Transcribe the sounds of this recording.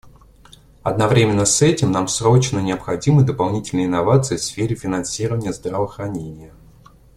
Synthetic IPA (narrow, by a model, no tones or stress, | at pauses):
ɐd̪nɐvɾʲemʲɪnːəsɛtʲɪmnamsɾot͡ɕnənʲɪəpxɐdʲiməd̪əpɐlˠnʲitʲɪlʲnəjɪnːɐvat̪sɨɪfsfʲeɾʲɪfʲɪnɐnsʲiɾəvənʲɪjəzd̪rəvəxɾɐnʲenʲɪjə